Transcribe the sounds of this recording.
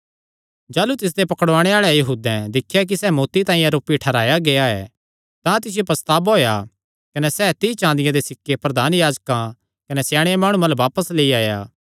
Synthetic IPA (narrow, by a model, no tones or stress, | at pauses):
d͡ʒaːlut̪ɪs̬d̪epɐkəɽʋaːɽ̃eaːɭɛjɐɦuːd̪ɛ̃d̪ɪkʰːjak̬isɛːmoːt̪it̪aːĩjãɾoːpiʈʰɐɾaːjaɡeaɛ̰ː | t̪ãt̪ɪs̬ɪjepɐst̪aːbɦoːja | kɐnɛsɛːt̪it͡ʃãːnd̪ɪjãd̪esɪkːepɾɐd̪ʱaːnjaːd͡ʒkã | kɐnɛsjaːɽ̃eemaːɽ̃umalʋaːpəsleiaːjaː